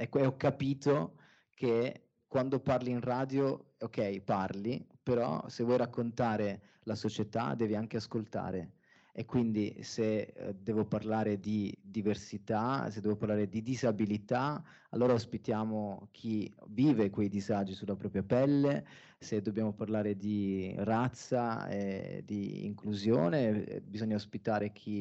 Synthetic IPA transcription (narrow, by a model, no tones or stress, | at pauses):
ɛkːeɔkːapiːt̪o | kʰe | kwand̪oparliinraːd̪jookːɛjparlipeɾɔ̰sevwɔjɾakːont̪aːɾe | lasot͡ʃet̪a̰d̪ɛːviaŋk̟easkolt̪a̰ːɾe | ekːwind̪ised̪ɛːvoparlaːɾed̪id̪iversit̪ased̪ɛːvoparlaːɾed̪id̪izabilit̪a | a̰lːoːɾaospit̪jaːmokʰiviːvekwejd̪izad͡ʒisulapɾɔːpɾjapɛlːe | sed̪objaːmoparlaːɾed̪irat̪sːaḛd̪iḭŋkluzjo̰ːnebizoɲːaospit̪aːɾek̟ʰi